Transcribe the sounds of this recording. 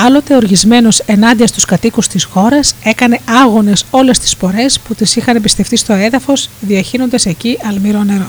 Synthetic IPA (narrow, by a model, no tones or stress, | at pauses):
ɐlo̞t̪e̞o̞ɾʝizme̞no̞se̞nɐnd̪iɐst̪uskɐt̪ikust̪isxo̞ɾɐse̞kɐne̞ɐɣo̞ne̞so̞le̞st̪i̥spo̞ɾe̞sput̪isixɐnepist̪e̞ft̪ist̪o̞e̞ðɐfo̞sðiɐçino̞nd̪ese̞ciɐlmiɾo̞ne̞ɾo̞